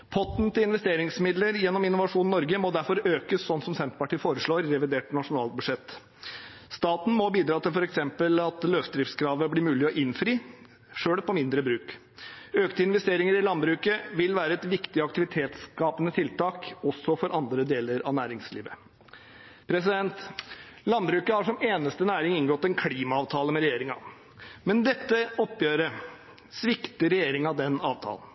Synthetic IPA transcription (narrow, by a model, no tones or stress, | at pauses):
pʰɔt̪nt̪ʰɪlɪnʋɛst̪eːɾɪŋsmɪd̪ləɾjɛnːɔmɪnːʊʋɑʂuːnnɔɾɡəmɔd̪æɾfɔɾøːkəssɔnːsɔmsɛnt̪pɑʈʰiːfoːɾəʂɭoːɾːɛʋɪd̪eːʈnɑʂʊnɑːlbʉʂɛt̪ː | st̪ɑːt̪n̩mɔbiːd̪ɾɑːt̪ʰɪlfɔɾɛksɛmpəlɑt̪løːft̪d̪ɾɪft̪skʰɾɑːʋəblɪɾmʉːlɪɔʔɪnfɾiː | ʂøːɽpʰɔmɪnd̪ɾəbɾʉːk | øːkt̪əɪnʋɛst̪eːɾɪŋəɾɪlɑnbɾʉːkəʋɪlʋæːɾəɛt̪ʋɪkt̪ɪɑkt̪ɪʋɪt̪ʰeːt̪skɑːpənət̪ʰɪlt̪ʰɑːkɔsːɔfɔɾʔɑnd̪ɾəd̪eːləɾɑ̰ʋnæːɾɪŋsliːʋə | pʰɾɛsɪd̪ɛnt̪lɑnbɾʉːkəhɑʂɔmeːnəst̪ənæːɾɪŋɪŋɡɔt̪ːɛnkʰɽiːmɑɑːʋt̪ʰɑːləmɛɾɛjeːɾɪŋɑ̰ | mɛnd̪ɛt̪ːəɔpːjøːɾə | sʋɪkt̪əɾɛjeːɾɪŋɑd̪ɛnɑːʋt̪ʰɑ̰ːlən̩